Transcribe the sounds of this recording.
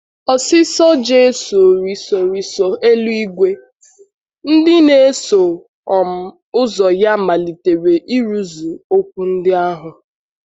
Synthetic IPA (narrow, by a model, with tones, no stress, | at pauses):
ɔ˨sɪ˦sɔ˦d͡ʒe˦su˨o˨ɾi˦so˨ɾi˨sɔ˨e˦lu˦i˦ɡʷe˦ | n̩˦dɪ˦ne˨˦e˦so˨ | m˨ | ʊ˦zɔ˨ja˦ma˨li˨te˨ɾe˨ʔi˦ɾu˦zu˨o˦kʷu˦n̩˦dɪ˦a˦ɦʊ˨